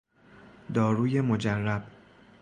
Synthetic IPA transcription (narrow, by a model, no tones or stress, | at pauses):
d̪ɒːɾuːje̞mod͡ʒærːæb̥